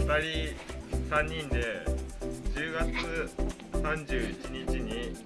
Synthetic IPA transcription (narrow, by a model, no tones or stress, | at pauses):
t̪aɾʲisãɲ̟ːĩnd̪e̞ | d͡ʑɨːɡat͡sɨ | sãɲd͡ʑɨːit͡ɕiɲit͡ɕiɲi